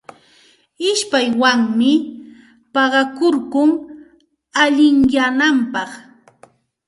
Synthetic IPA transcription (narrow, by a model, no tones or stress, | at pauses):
ɪʃpajwaŋmɪ | pɑɢɑkoɾɢʊŋ | aʎɪŋjanampɑχ